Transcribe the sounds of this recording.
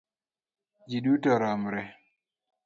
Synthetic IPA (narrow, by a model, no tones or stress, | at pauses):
d͡ʒiɗutaɾamuɾɛ